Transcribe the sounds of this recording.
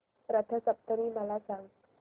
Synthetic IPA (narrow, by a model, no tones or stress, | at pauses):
ɾat̪ʰasap̚t̪əmimalasaŋ